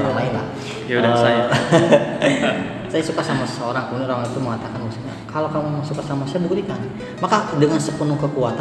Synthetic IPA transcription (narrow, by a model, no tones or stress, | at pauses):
ɾoŋainla̰h | ə | sajasukasamaəsəoɾaŋkəmudanɾoɾaŋit̪uməŋat̪akanasuɲa̰kalokamuasukasamasajabuɡulikan | makadəŋansəpənukəkuat̪